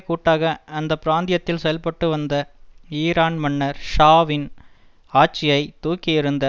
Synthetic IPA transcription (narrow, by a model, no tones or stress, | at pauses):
kuːʈːaːɣɐɐnd̪ɐpːɪɾaːnd̪ɪjɐt̪ːɪlsɛjɐlpɐʈːɯʋɐnd̪ɐiːɾaːnmɐɳːɐɾʂaːʋɪn | aːt͡ʃːɪjɐɪt̪uːkːɪjɪɾɯnd̪ɐ